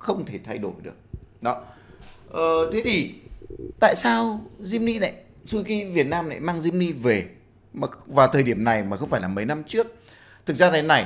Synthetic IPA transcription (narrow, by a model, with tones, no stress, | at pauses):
xə˧wŋ͡mt̪ʰe˧˩t̪ʰa˧jɗo˧˩jɗɨ̰˨˩ək̚ɗɔ˨˦ʔəː˨˩t̪ʰe˨˦t̪ʰi˨˩t̪a̰ː˧˨jsaː˧wzi˧mni˧na̰˧˨j | su˧ki˧vi˨˩ət̚naː˧mna̰˧˨jmaː˧ŋzi˧mni˧ve˨˩ | mː˨˩vaː˨˩t̪ʰəː˨˩jɗi˧˩əmna˨˩jmaː˨˩xə˧wŋ͡mfaː˧˩jlaː˨˩mə˨˦jna˧mt͡ɕɨ˦˥ək̚ | t̪ʰɨ˨˩k̚zaː˧a˨˦na˨˩j